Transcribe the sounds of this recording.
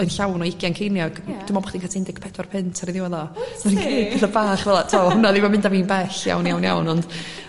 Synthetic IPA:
ɔɨnɬawnɔɪɡjankʰejnjɔɡ̥d̥ɪmɔbɔχd̥inkʰatʰaɪndɪɡpʰɛdwarpʰɪntʰaɾiðɪwaðɔaniŋʰeːd̚bɛθabaːχvɛlˠatʰaɔɔnaðimamɪndaviːnbɛɬja̰wnjawnja̰wnɔnd̥

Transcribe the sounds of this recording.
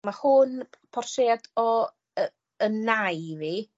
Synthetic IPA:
mahunpʰɔrseːadɔ | ə | ənajvi

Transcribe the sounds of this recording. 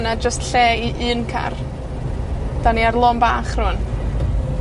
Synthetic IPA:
nad͡ʒəstɬeːiʔɨːnkʰa̰r | d̥aniarlˠɔmbaːχr̥ʊn

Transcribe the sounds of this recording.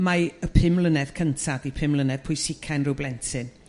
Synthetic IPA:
maəpʰɪmlˠənɛð̥kʰəntʰadipʰɪmlˠənɛð̥pʰʊjsɪkʰanrɪwblɛntʰɨn

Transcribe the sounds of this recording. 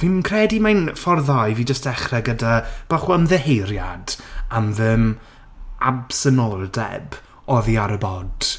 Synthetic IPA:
vimkʰrɛdimanfɔrðajviːd͡ʒəstɛχrɛɡədab̥aχuəmðɛhejɾjad̥amðɪm | absənɔlˠdɛ̰b | ɔðiaɾəbɔd̥

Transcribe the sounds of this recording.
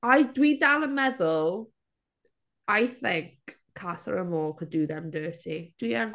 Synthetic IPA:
ajdwidalˠəmɛðʊlˠ | ajθɪ̃ŋkʰː | atə̰ɹəmɔːlˠkʰəduðɛmdɜːˑtʰid̥wiən

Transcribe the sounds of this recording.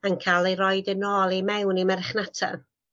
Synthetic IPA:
ankʰalˠejɾɔjdənɔːlˠimɛwnimɛɾɛχnatʰa̰

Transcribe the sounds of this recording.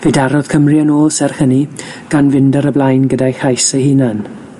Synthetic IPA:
vedaɾɔð̥kʰəmriənoːlˠsɛrhəni | ɡ̥anvɪndaɾəblˠajnɡədajxajsəhiːnan

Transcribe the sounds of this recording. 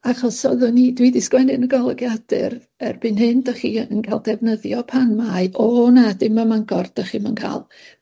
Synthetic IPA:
aχɔsɔðʊnidwidɪskwɛnɪnəɡɔlˠɛɡjadɨ̰r | ɛrb̥ɨnhɨndaχiːənkʰalˠdɛvnəðjɔpʰanmaɨʔɔnadɪmamaŋɡɔrd̥aχimənkʰa̰ːlˠ

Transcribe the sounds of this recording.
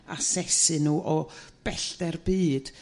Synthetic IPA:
a̰sɛsɨnuːʔɔb̥ɛɬd̥ɛrbiːd̥

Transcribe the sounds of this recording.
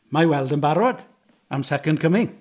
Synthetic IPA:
mawɛlˠdənbaɾɔd̥ | amsɛkəndkʰəmɪŋ

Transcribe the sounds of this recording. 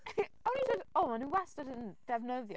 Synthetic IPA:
awnisɛdoːmanuwɛstədənd̥ɛvnəðjɔ

